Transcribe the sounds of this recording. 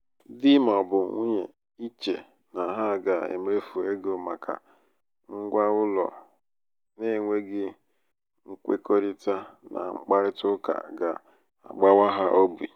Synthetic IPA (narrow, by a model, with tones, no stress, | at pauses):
dɪ˦ma˨bʊ˨˦ŋʷu˦ɲe˨ | i˦t͡ʃe˨ | na˨ɦa˦˨ɡa˨ḛ˨m˨ɾe˦fu˨e˦ɡo˨ma˨kʰa̰˨ | ŋ̩˦ɡʷa˦ʊ˦lɔ̰˨ | ne˦˨ŋʷe˦ɡɪ˦ | ŋ̩˦kʷḛ˦ko˦ɾi˦ta˦na̰˨ŋ͡m̩˦k͡pa˦ɾɪ˦tʊ˦ka̰˨ɡa˨ | a̰˨ɡ͡ba˦wa˦ɦa˦ʔo˦bi˨